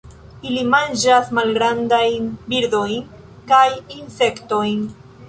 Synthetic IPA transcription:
ilimand͡ʒasmalɡɾandajnbiɾdo̞jn | kajinse̞kto̞jn

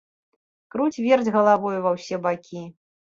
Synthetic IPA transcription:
kɾut͡sʲvʲɛrd͡zʲɣɐlˠavɔjuvɐwsʲɛbakʲi

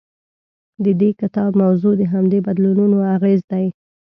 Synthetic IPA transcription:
d̪əd̪ekɪt̪ɑbmawzod̪əɦamd̪ebad̪lununoaɣezd̪aj

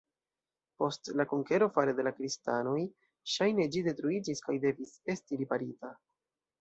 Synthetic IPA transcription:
po̞stlakoŋke̞ɾo̞faɾede̞lakɾistano̞j | ʃajne̞d͡ʒide̞tɾuid͡ʒiskajde̞vise̞stiɾipaɾita

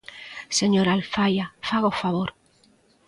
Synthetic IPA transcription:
seɲoɾalfajafaɣofaβoɾ

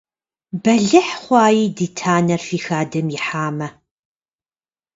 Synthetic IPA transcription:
bɐɮɨħχʷɑːjiːdiːtʰaːnɐrfiːxaːdɨmjɪħaːmɐ

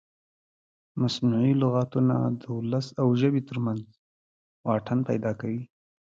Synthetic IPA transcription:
masnuʕilʊɣɑt̪una̰d̪əulasawʒəbit̪əɾmanz | wɑʈʰənpajd̪ɑkawi

